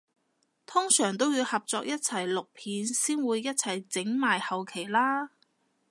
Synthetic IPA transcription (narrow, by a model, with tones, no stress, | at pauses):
t̪ʰʊ˥ŋsœː˨˩ŋt̪o˥wjiː˧whɐ˨p̚t͡sɔː˧k̚jɐ˥t̚t͡sʰɐ˨˩jlʊ˨k̚pʰiː˨˥nsiː˥nwuː˨˧jːɐ˥t̚t͡sʰɐ˨˩jt͡sɪ˨˥ŋmaː˨jhɐ˨wkʰe˨˩jlaː˥